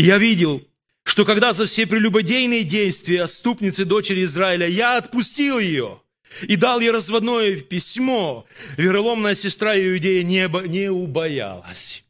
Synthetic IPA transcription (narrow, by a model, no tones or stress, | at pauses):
javʲidʲɪlˠ | ʂt̪o̞kɐɡd̪azɐfsʲepɾʲɪlʲʊbɐdʲejnɨjədʲejst̪vʲɪjəɐt̪st̪upnʲɪt̪sɨd̪o̞t͡ɕɪɾʲɪːzraɪlʲəjaɐt̪̚pʊsʲtʲilˠjɪjo̞̰ | id̪alˠjoɾəzvɐd̪no̞jəpʲɪsʲmo̞vʲɪɾɐlˠo̞mnəjəsʲɪst̪ɾaɪʊdʲejənʲɐnʲɪʊbɐja̰lˠə̰sʲ